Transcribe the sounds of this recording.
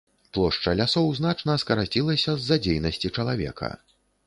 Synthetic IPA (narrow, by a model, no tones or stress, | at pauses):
plˠɔʂt͡ʂɐlʲasɔwzn̪at͡ʂnɐskɐɾat͡sʲilˠɐsʲɐzːad͡zʲejnɐsʲt͡sʲit͡ʂɐlˠavʲɛ̰kʰɐ̰